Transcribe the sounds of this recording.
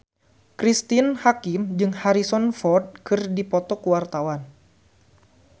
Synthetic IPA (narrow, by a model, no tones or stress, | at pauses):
kɾist̪inhakimd͡ʒɨŋhaɾisɔnfɔrd̪̚kɨrdipɔt̪ɔkuwart̪awan